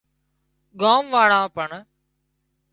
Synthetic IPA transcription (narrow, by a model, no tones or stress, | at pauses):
ɡaːmʋaːɽãːpəɳ